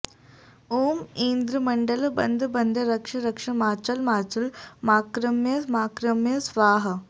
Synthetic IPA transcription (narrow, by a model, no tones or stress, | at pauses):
oːmeːnd̪ɾɐmɐɳɖɐlbɐ̰nd̪ʱɐbɐnd̪ʱɐɾɐkʂɐɾɐkʂɐmaːt͡ʃɐlmaːt͡ʃɐlmaːkɾɐmjɐsmaːkɾɐmjɐsʋaːɦɐ